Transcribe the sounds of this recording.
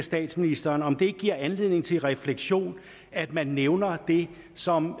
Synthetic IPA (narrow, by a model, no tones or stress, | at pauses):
sd̥ɛ̰ːd̥sminisd̥ɐːnɒ̽md̥e̝ɡ̥̚ɡ̥iɐ̰ænle̝ð̰ˠne̝ŋt͡sʰe̝lʁɛfleɡ̥ɕo̝̰ːn | æd̥mænːeʊnɐd̥e̝ | sɒ̽m